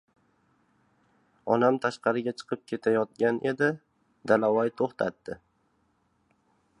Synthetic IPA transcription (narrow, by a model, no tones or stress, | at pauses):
ɒnamt̪ʰaʃqɑɾɪɡʲat͡ʃʰɨ̥qʰɨp̚kʲʰet̪ʰajɒt̪̚ɡʲanʔe̞d̪ɪ | d̪alawajt̪ʰoχt̪ʰa̰t̪ːɪ